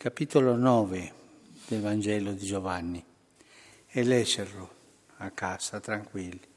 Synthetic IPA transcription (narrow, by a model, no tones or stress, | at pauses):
kapit̪olonɔːve | d̪̥elvand͡ʒɛːlod̪id͡ʒovanːi | ɛlɛʃːeɾlo | akːasat̪ɾaŋkwilːi